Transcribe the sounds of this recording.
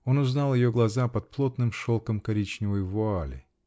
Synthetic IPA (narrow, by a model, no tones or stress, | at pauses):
o̞nʊznɑlˠjɪjoɡlˠɐzapɐt̪̚plˠo̞t̪nɨmʂolˠkəmkɐɾʲit͡ɕnʲɪvəjvʊalʲɪ̰